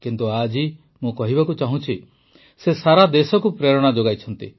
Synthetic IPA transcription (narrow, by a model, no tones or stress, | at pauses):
kint̪uad͡ʒi | mũkɔɦibakut͡ʃaɦũt͡ʃʰi | sesaɾad̪esɔkupɾeɾɔɽ̃ad͡ʒoɡajt͡ʃʰɔnt̪ḭ